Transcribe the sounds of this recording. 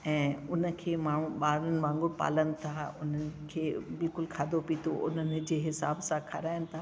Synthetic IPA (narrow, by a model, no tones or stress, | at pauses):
ɛ̃ːʊnə̆kʰeːmaːɳ̤ũɓaːɾʊnɪ̆ʋãːŋɡʊɽpa̰ːlənɪt̪ʰaːʊnənɪ̆kʰeːbɪlkʊlkʰaːd̪ʱopiːt̪ʰoʔʊn̤ənɪ̆d͡ʑeːɦɪsaːbsãkʰɐɾaːɪnɪ̆t̪ʰaː